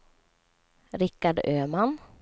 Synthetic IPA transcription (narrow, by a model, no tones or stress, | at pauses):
ɾɪkːaɖøːman